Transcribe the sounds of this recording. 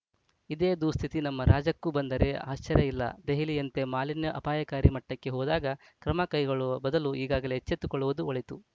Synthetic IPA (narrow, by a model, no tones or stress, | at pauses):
id̪eːd̪ust̪ʰit̪inɐmːɐɾʔaːd͡ʒɐkːubɐnd̪ɐɾe̞a̰ːʃt͡ʃːɐɾjɐilːɐ̰d̪eɦiliɐnt̪e̞maːlinjɐʔɐpaːjɐkaːɾimɐʈːɐkːe̞ɦɔːd̪aːɡɐ | kɾɐmɐkɐjɡɐɭuʋɐbɐd̪ɐluiːɡaːɡɐlet͡ʃːet̪ːukɔɭuʋɐd̪uoɭit̪u